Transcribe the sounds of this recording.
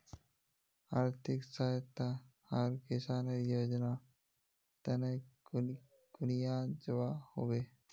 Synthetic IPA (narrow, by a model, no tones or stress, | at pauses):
aɾt̪ʰiksaət̪ːa | aɾkisaneɾjod͡ʒna | t̪ɛne | ɡ̥unijad͡ʒewahobe